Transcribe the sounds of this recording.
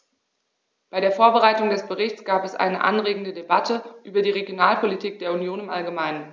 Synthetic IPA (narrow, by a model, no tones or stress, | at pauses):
b̥aɪɾeːɐfoːɐbəʁaɪtʊŋdɛsb̥əʁɪçt͡sɡ̥aːpɛsʔa̰ɪnə̰ʔa̰nʁeːɡŋ̩dədebatʰəʔyːbɐdiːʁeɡjonaːlpʰolitʰiːk̚d̥eːɐunjoːnɪmʔalɡəmaɪnən